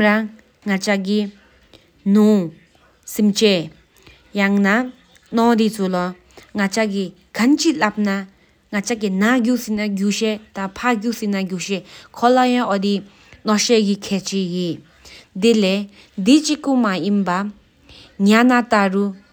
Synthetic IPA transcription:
mɾaŋː | at͡ɕak̬i | nuŋ | simt͡ɕe | jaŋna | nɔdit͡sʰulɔ | ŋat͡ɕaki | ɡant͡ɕilap̚na | ŋat͡ɕaɡinaɡusinaɡuɕɛt̪apʰaɡusinaɡuɕɛkʰɔlajãʔɔdi | nɔɕɛkikʰɛːt͡ɕijeʔ | d̪ilɛ | d̪it͡ɕikumajinpa | ŋanat̪aru

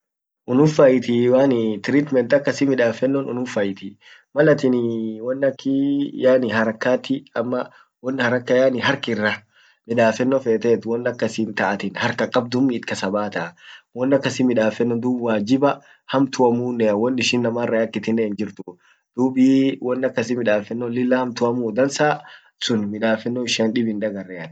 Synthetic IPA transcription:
ʔʊnʊfːajɪt̪ɪwaːnɪt̪ɪɾit̪mɛnt̪ɐkːɐsimɪᶑaːfɛnːɔnʊ̰nʊfːɐjɪt̪ɪ | mɐlɐt̪ɪnwɔnːɐkːɪjaːnɪɦɐɾɐkːaːt̪ɪɐmːɐ | wɔnːhɐɾɐkːɐjaːnɪɦɐɾkɪrːɐ | mɪᶑaːfɛnːɔfeːt̪ɛːt̪wɔnːɐkːɐsɪnt̪ɐʔɐt̪ɪnhɐɾkɐkʼɐb̚d̪ʊmːɪːt̪̚kɐsɐbaːt̪ɐwɔnːɐkːɐsɪmɪᶑaːfɛnːɔd̪uːbwaːd͡ʒɪbɐ | hɐmt̪ʊɐmuːnːɛɐwɔnːɪʃɪnːɐmaːrːɐjɐkːɪt̪ɪnːeɪnd͡ʒɪɾt̪ʊ | d̪̥uːbiːwʔɔnːɐkːɐsɪmɪᶑaːfɛnːɔlɪlːaːhɐmt̪ʊɐmuːd̪ɐnsaː | sʊnmɪᶑaːfɛnːoɪʃɐnᶑɪbɪnᶑɐɡɐrːɛɐt̪

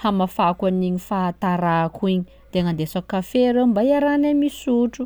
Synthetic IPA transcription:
hamafakaniɲifat̪aɾakuiɲi | d̪̥eaŋand̪esakafeɾembajaɾanamisuʈ͡ʂu

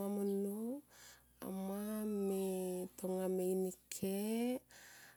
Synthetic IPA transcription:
amono | a̰mametoŋameinikʰe

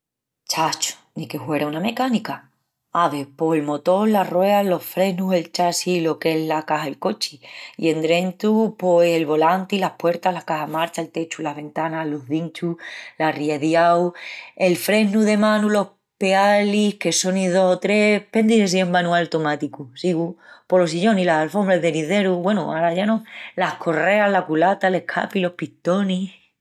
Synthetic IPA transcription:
t͡ʃat͡ʃo̥nike̞hwe̞ɾauname̞kanika | aβe̞po̞helmo̞t̪o̞larwe̞alo̞fɾe̞ɦnue̞lt͡ʃasilo̞ke̞ɦlakaɦaelko̞t͡ʃiḭe̞nd̪ɾe̞nt̪upose̞lβo̞lant̪ilahpwe̞ɾt̪aɦlakaɦamaɾt͡ʃaelt̪e̞t͡ʃulaɦβe̞nt̪anaɦlo̞ɦðint͡ʃulariaðjawe̞lfɾe̞ɦnuðe̞mãnulo̞h | pe̞alihke̞so̞niðo̞sot̪ɾe̞hpend̪iðes̬iembanualt̪omat̪ikusiɣupo̞los̬iʎo̞nilasalfo̞mbɾaðe̞niðe̞ɾuβwe̞nuaɾaʝanolahkʰo̞re̞aɦlakulat̪ale̞hkʰa̰pilo̞hpiht̪o̞ni

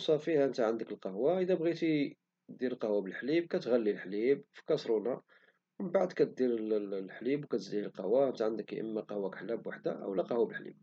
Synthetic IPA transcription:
sˤɑfihæʔənt̪æʕand̪əkəlqɑhwaʔəd̪æbɣit̪i | d̪iɾəlqɑhwabəlħlib̚kæt̪ɣælːilħlibfi̥kɑsˤɾunɑ | wəmbaʕd̪kæt̪̚d̪iɾħlibwkæt̪zihəlqɑwaʔənt̪æʕənd̪əkʔə̰mːæqɑhwækħlæbwaħd̪a̰ʔə̰wlæqɑhwabəlħlḭb̚

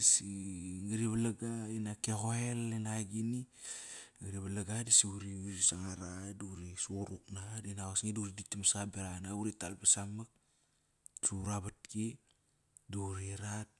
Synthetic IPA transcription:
siŋɡiɾiβalaɡainakeɣoelenaɡini | ŋiɾiβalaɡadisiuɾiuɾisaŋaɾaduɾisuoɾuknadinawasŋiduɾiditimasabeɾanauɾitalpesamak̚ | suɾaβat̚ki | duɾiɾat̚

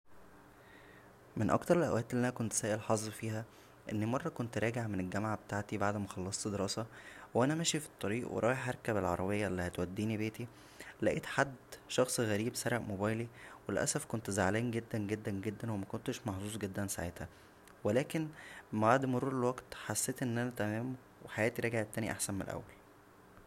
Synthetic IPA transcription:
menʔɑ̰kt̪ɑɾelʔæ̰wʔæːt̪ʔelːʔænækont̪sæːʔelħɑzˤːfiːɦæ | ʔenːimɑrˤːɑkont̪ɾˤɑːɡeʕmenelɡæmʕabet̪aːʕt̪ibaʕd̪mæxɑlːɑsˤt̪d̪eɾɑːsɑwʔænæmæʃifi̥t̪ˤːɑɾiːʔwḛɾˤɑːjeħʔɑɾˤkæbelʕɑ̰ɾˤɑbejːæʔlːihæt̪wæd̪ːiːnibeːt̪i | læʔiːt̪ħad̪ːʃɑxsˤɣæɾiːbsɑɾˤeʔmobæːjliwelʔæ̰sæfkont̪zaʕlæːnɡed̪ːænɡed̪ːænɡed̪ːænwemækont̪eʃmɑħzˤuːsˤɡed̪ːænsa̰ʕḛt̪hæ | welæːkenmbaʕd̪moɾuːɾelwæɡt̪ħasːeːt̪ʔenːʔænæt̪æmæːm | weħajæːt̪iɾˤɑːɡeʕet̪ːæːniʔa̰ħsænmenlʔæ̰wːæl

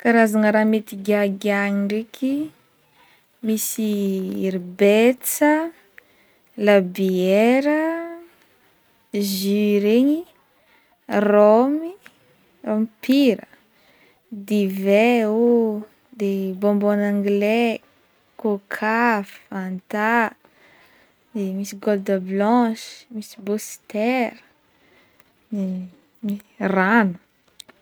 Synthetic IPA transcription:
kaɾazaŋəɾamet̪iɡʲaɡaɲiɳɖ͡ʐekʲʰi | misiiɾbet͡sə | labiɛɾə | ziɾeɲi | romi | romipiɾə | d̪ivɛo | d̪ebɔ̃mbanãŋɡle | kokʰafant̪a | d̪emisiɡold̪əblɑ̃ʃi̥misi̥bost̪ɛɾə | ni | iranu̥

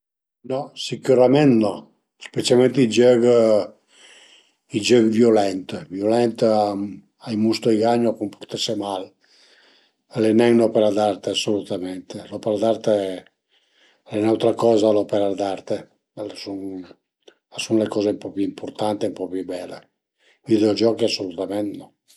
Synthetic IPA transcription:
nɔsikuɾamɛnt̪nɔ | spet̪t͡ʃalmɛnt̪id͡ʒøɡ | id͡ʒøɡvjolɛnt̪vjolɛnt̪a | ajmust̪ojɡaɲoakumpoɾt̪ɛsemal | alenɛŋnɔpeɾad̪aɾt̪easːolut̪amɛnt̪elɔpeɾad̪aɾt̪ | lenawt̪ɾakɔːzalɔpɛɾad̪aɾt̪e | lasun | asunlekɔːzempɔpuimpʰoɾt̪ant̪empɔpibɛlḛ | vid̪d͡ʒɔkiasolut̪amɛnnɔ

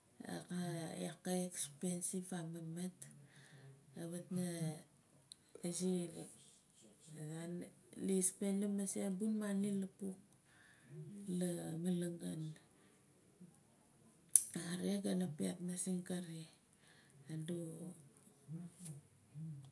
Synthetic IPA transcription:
a̰kaakaekspensivamamat | aβatna | esi | an | lispenlamasebunmanilapuk̚ | lamalaŋɡan | aaɾeɡanapiatnasiŋkaɾi | ado

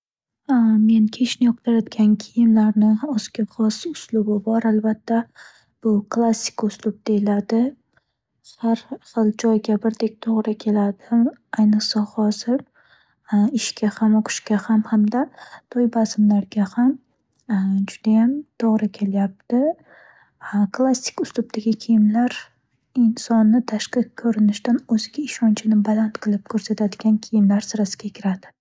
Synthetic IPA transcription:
me̞nkʲʰe̞ʃnɪjɒq̚t̪ʰaɾad̪ɡʲankʲʰɪjɪmlaɾnɪɒskʲaχɒsʊslʊbɪbɒɾalbat̪ʰːa | b̥ʊkʰlˠasːɪ̥kʊslˠʊb̚d̪ejɪlad̪ɪ | haɾχɨlˠd͡ʒɒjɡʲabɪɾd̪e̞k̚ʲt̪ʰoʁɾɪkʲʰe̞lad̪ɪajnɨqsahɒz̥ɪɾ | ɪʃkʲʰahamoqʰʊ̥ʃkʲahamhamd̪at̪ʰojbasɪmlaɾɡʲaham | d͡ʒʊd̪ajamt̪ʰoʁɾɪkʲʰe̞ljap̚t̪ɪ | kʰlˠasːɪ̥kʲʊst̪ʊbt̪ʰaɡʲɪkʲʰijɪmlaɾ | ɪnsɒnːɪt̪ʰaʃqɨqkʰːɵɾɪnɪʃt̪anɵzɪɡʲaɪʃɒnt͡ʃʰɪnɪbalˠant̪qʰɨlˠɪp̚kʰɵɾsat̪ʰad̪ɪɡʲankʲʰijɪmlaɾsɪɾasɪ̥ɡʲakʲʰɪɾad̪ɪ

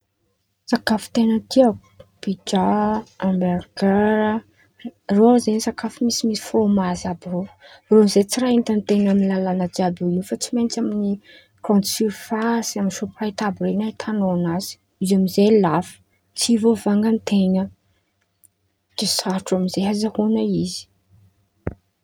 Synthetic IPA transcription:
sakafu̥t̪enət̪ia | b̥id͡ʒaamberɡaɾə | roazenisakafumisimisfomazabirorozet͡siɾaint̪ant̪enamilalanad͡ʒabiwiufat͡simejnt͡ʃamini | rɔ̃nt̪siɾfasaminʃoprajt̪abɾenat̪ʰanonazi̥ | izamizelafə̥ | t͡sivovaŋɡənt̪enə | d̥esaɾʈ͡ʂaminzeɦazahonəizi̥

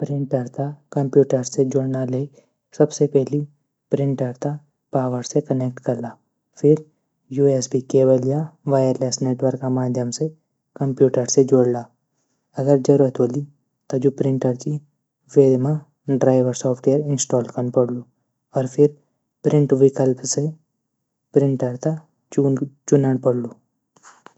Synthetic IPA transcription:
pɾɪ̃ɳʈəɾt̪akɐ̃mpjuːʈəɾsed͡ʒoːɽnalei | sɐbsepɛɦli | pɾɪ̃ɳʈɐɾt̪a | paːʋəɾsekəneːk̚ʈkɐɾlaː | fʰɪɾ | juːesbʱikeːbəljaʋaːjəɾleːsneːʈwəɾkamaːd̪ʱjəmse | kɐ̃mpjuːʈəɾsed͡ʒoːɽlaː | ɐɡəɾd͡ʒəɾuːɾət̪oli | t̪od͡ʒupɾɪ̃ɳʈəɾt͡ʃi | ʋeːd̪mã | ɖɾaːɪʋəɾsɔːpʰʈejəɾɪ̃nsʈɔːlkənpəɽlu | ɔːɾpʰɪɾ | pɾɪ̃ɳʈʋɪkəlpse | pɾɪ̃ɳʈəɾt̪a | t͡ʃuːt͡ʃʊnəɽpɐɽluː

